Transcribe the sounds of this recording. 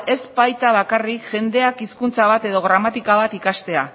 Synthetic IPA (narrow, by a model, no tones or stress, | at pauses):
e̞sbajt̪aβ̞akarikʝe̞nd̪e̞akiskunt͡saβat̪e̞ðo̞ɣɾamat̪ikaβ̞at̪ikast̪e̞a̰